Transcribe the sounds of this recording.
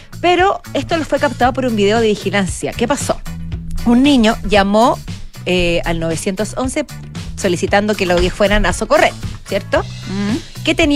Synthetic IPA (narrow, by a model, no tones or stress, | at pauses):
pe̞ɾo̞e̞st̪olofwe̞kap̚t̪aðop̬oɾumbiðe̞oðeβixilansja̰kepaso̰unːiɲoʝamo | ealnoβesje̞nt̪oso̞nse̞ | solisit̪and̪okeloɣefwenanasokoreɾsjeɾt̪o | ket̪eni